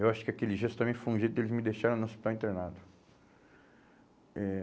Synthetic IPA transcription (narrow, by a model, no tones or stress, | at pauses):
ewaʃʊ̥kɪakelɪʒɛst̪t̪amẽnt͡ʃ̪ɪfojũʒejt̪ʊd̪elɪzmɪd̪ejʃaɾẽnʊospit̪awẽnt̪ɾenad̪ʊ | ɛ